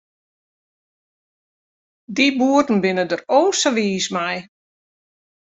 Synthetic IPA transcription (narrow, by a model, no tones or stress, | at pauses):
dibuərtn̩bɪnədəroːsəʋiːsmɛj